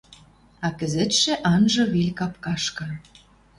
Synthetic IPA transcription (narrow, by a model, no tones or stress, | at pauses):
ɑkə̆zĕt̪ʃĕʔɑnʒɤ̆βelʲkɑpkɑʃkɤ̆